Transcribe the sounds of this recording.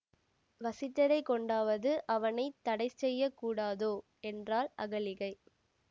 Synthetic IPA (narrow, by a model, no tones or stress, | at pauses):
ʋɐsɪt̪ːɐɾɐɪkɔɳɖaːʋɐðɯʔɐʋɐnɐɪt̪ːɐɽɐɪsɛjːɐkːuːɽaːðoː | ɛndraːlʔɐɣɐlɪɣɐɪ